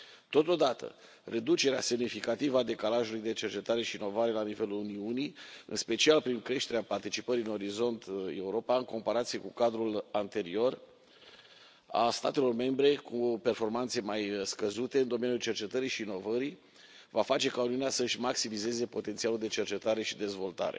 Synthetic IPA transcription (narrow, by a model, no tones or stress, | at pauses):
t̪o̞t̪o̞d̪at̪ʰə̰ | rʔe̞d̪ut͡ʃeɾea̰se̞mnifikat̪ivəad̪e̞kalaʒulujd̪e̞t͡ʃe̞rt͡ʃe̞t̪aɾe̞ʃiːno̞vaɾe̞lanive̞luluniunijɨ̰nspe̞t͡ʃialpɾiŋkɾe̞ʃt̪e̞ɾeapart̪it͡ʃipəɾiɨno̞ɾizo̞nt̪e̞̰uɾo̞paɨŋko̞mpaɾat̪sije̞kukad̪ɾulant̪e̞ɾio̞r | a̰st̪a̰t̪e̞lo̞rme̞mbɾe̞kupe̞rfo̞rmant̪se̞majskəzut̪e̞ɨnd̪o̞me̞njult͡ʃe̞rt͡ʃe̞t̪əɾiʃiːno̞vəɾi | vafat͡ʃe̞kauniuneasəɨʃmaksimize̞ze̞po̞t̪ent̪sialuld̪e̞t͡ʃe̞rt͡ʃe̞t̪aɾe̞ʃid̪e̞zvo̞lt̪a̰ɾe̞̰